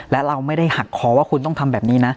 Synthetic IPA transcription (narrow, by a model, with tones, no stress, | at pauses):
lɛ˦˥ɾa˧wma˥˩jda˥˩jha˨˩kʰːɔː˧˦waː˥˩kʰu˧nt̪ɔ˥˩ŋt̪ʰa˧mbɛː˨˩p̚niː˦˥na˦˥